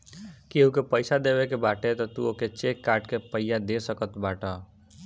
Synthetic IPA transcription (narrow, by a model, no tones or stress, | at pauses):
keɦũkepəjsad̪ebekebaʈet̪ɔt̪ṵoket͡ʃekːaːɾʈkepəjjad̪esəkət̪baːʈɔ